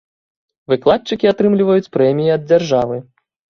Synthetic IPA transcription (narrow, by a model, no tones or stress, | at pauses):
vɨklˠat̪̚t͡ʂɨkʲiat̪ɾɨmlʲivɐjut͡sʲpɾɛmʲijiɐd̪̚d͡zʲarʐavɨ